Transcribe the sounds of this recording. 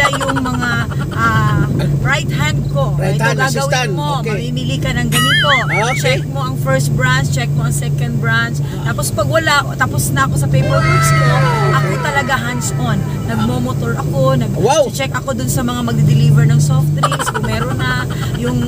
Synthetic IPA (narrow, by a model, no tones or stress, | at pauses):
ajʊŋmɐŋa | ʔabɹajt̪hand̪ko̞ɐjaɡaːɐwɪɪmomɐmiːmɪlikɐnɐŋɡɐnɪmot͡ʃɛk̚mo̞ʔɐŋfɛɹst̪̚bɹant͡ʃɛk̚mo̞ʔɐŋsɛkɐnd̪̚bɹanst̪aːpospɐɡwɐlaʔot̪aːposnɐɐko̞sɐpejbɛakskoʔɐkojt̪ɐlɐɡaɦand̪sʔonːɐɡ̚momot̪oɹʔɐko̞nɐɡwt͡ʃɛkʔɐko̞d̪ʊnsɐmɐŋamɐɡ̚d̪ɪd̪ɪlivɛɹnɐŋsoft̪ɾikskʊŋmɛːɾonɐ | jʊŋ